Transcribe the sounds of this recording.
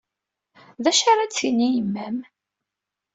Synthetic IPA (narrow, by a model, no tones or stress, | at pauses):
ðæʃaɾˤat͡sːinːijəmːæm